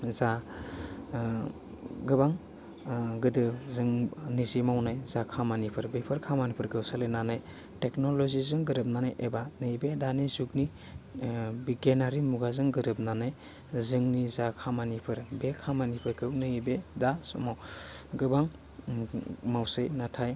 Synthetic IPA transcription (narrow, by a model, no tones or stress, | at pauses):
za | ɡɯbaŋ | ɡɯdɯzɯŋnizimawnajzakʰamanipʰɯɾbepʰɯɾkʰamanipʰɯɾɡʰɯwsalenanaj | teknolozizɯŋɡɯɾɯp̬̚nanajʔebanɯibedanizukni | bikenaɾimuɡazɯŋɡɯɾɯp̚nanaj | zɯŋnizakʰamanipʰɯɾbekʰamanipʰɯɾɡɯwnɯibedasɔ̰mawɡɯbaŋ | mawsejnatʰaj